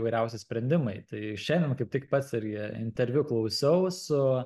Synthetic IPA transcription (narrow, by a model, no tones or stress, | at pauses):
ʋɐɪɾʲɛʊsʲɪsʲpʲɾʲɛnʲd̪ʲɪmɐɪt̪ɐɪʃʲɛɪndʲɛnmkɐɪp̚t̪ʲɪkpɐt̪sɪɾʲɡʲɪɪ̰nʲt̪ʲɛɾʲʋʲʊklˠɐʊsʲɛʊsʊ